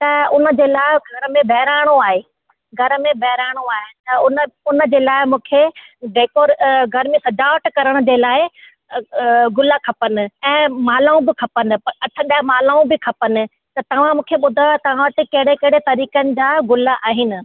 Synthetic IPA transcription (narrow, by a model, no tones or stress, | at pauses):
t̪ɐʊnə̆d͡ʑeːlaːɪɡʱɐɾəmẽbʱɛɦɪɾaːɪɽ̃oaːɦeː | ɡʱɐɾə̆mẽbʱɛɦɪɾaːɪɽ̃oaːɦɪnɪt̪ɐʊnʊnə̆d͡ʑeːlaːɪmũːkʰeɖeːkoːɾɡʱɐɾmẽsɐd͡ʑaːʋʈkɐɾəɽ̃ʊ̆d͡ʑeːlaːɪ | ɡʊlakʰɐpənɪ̆ɛ̃ːmaːlaːũbɪkʰɐpənɪ̆ɐʈʰə̃ɗaːɦmaːlaːũbɪkʰɐpənɪ̆ | t̪ɐt̪ɐʋ̤ãmũːkʰeɓʊd̪ʱaːt̪ɐʋ̤ãʋɐt̪ɪkɐɦɪɽekɐɦɪɽet̪ɐɾiːkənɪ̆d͡ʑaːɡʊlaʔaːɦɪnɪ̆